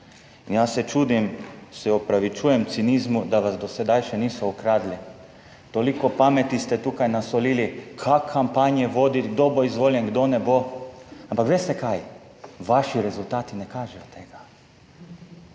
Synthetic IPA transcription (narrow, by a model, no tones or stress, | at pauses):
injasɛt͡ʃuːd̪imsɛɔpɾaʋit͡ʃuːjɛmt̪siniːzmud̪aʋazd̪ɔsɛd̪ajʃɛniːsɔɔkɾaːd̪li | t̪oːlikɔpamɛt̪ist̪ɛt̪uːkajnasɔliːlikʰakʰːampanjɛʋoːd̪it̪ɡ̚d̪oboizʋoːljɛnɡd̪onɛboãmpakʋeːst̪ɛkaj | ʋaʃiɾɛzult̪aːt̪inɛkaːʒɛjɔt̪eːɡa